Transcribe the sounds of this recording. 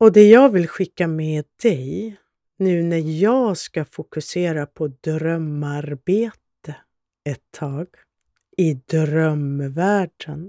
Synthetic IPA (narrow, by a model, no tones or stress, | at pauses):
ɔd̪ɛjɑːɡvɪlɧɪkːamɛːd̪d̪ɛj | nʉ̟ːnæɾjɑːɡskafʊkɵseːɾapʰɔd̪ɾœmaɾbeːt̪ə | ɛt̪ʰːɑːɡ̥ | ɪd̪ɾœmvæːɖən